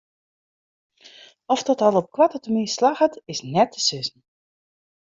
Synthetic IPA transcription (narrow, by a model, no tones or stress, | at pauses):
ɔfdɔtɔlˠɔp̚kwatətəmislaxətɪsnɛtʰə̥sʏsn̩